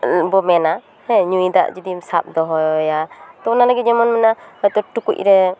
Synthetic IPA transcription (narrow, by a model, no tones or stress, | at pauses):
bɔmɛna | hɛ̃ɲujd̪a̰ʔd͡ʒɔd̪imsap̚d̪ɔɦɔjat̪ɔɔnalaɡit̪̚d͡ʒɔmɔnmɛnaɔjt̪ɔʈukṵc̚ˀɾɛ